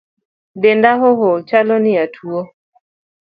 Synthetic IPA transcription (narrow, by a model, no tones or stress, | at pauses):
dendaɦoɦot͡ʃalɔnɪatʰuo